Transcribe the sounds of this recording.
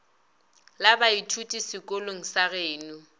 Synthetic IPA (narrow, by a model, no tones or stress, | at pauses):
labaitʰutʼisɪkʼoloŋ̩saɣeːnu